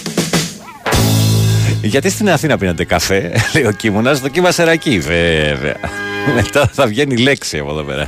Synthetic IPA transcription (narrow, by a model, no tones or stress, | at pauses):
ʝɐt̪ist̪inɐθinɐpinɐnd̪e̞kɐfe̞leio̞cimunɐzðo̞cimɐseɾɐcivevḛɐ̰me̞t̪ɐθɐvʝe̞nile̞ksiɐ̰poeðope̞̰ɾɐ̰